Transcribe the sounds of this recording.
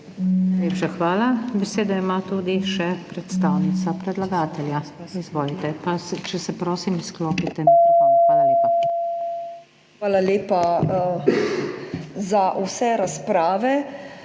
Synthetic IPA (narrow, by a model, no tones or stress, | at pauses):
naleːpʃaxʋaːlabɛseːd̪aimat̪uːd̪iʃɛpɾɛt̪st̪aːwnit̪sapɾɛd̪laɡaːt̪ɛljaizʋɔːlit̪ɛpast͡ʃɛsɛpɾoːsimiskloːpit̪ɛaːlaleːpa | xʋaːlaleːpa | zaʔusɛɾaspɾaːʋɛ